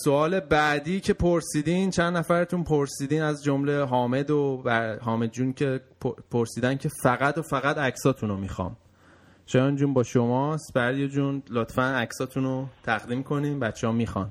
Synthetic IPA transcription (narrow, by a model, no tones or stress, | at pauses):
soɒːle̞bæːd̪iːcʰe̞pʰoɾsiːd̪iːnt͡ʃʰænd̪ːæfæɾet̪ʰunpʰoɾsiːd̪iːnæzd͡ʒomle̞ɦɒːme̞d̪obæɦɒːme̞d̪d͡ʒuːncʰe̞pʰpʰoɾsiːd̪æncʰe̞fæɣæd̪ofæɣæd̪æcsɒːt̪ʰunomiːxɒ̰ːm | ʃɒjɒnd͡ʒuːnbɒːʃomɒst̪bæɾdijed͡ʒunlot̪ʰfænæcsɒːt̪ʰunot̪ʰæɣd̪imkʰo̞niːmbæt̪t͡ʃʰːehɒmiːxɒ̰n